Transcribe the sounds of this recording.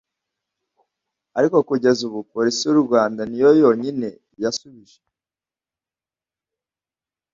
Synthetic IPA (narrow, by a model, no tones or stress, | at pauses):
aɾiko̞kuɟe̞zuβupoɾisiuɾɡwaːndanijo̞jo̞ːɲine̞ | jasuβiʒe